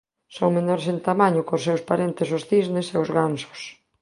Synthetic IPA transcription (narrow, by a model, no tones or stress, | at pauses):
soŋmenɔɾsent̪amaɲʊkʊsːewspaɾent̪esʊsθizneseozɣansʊ̥s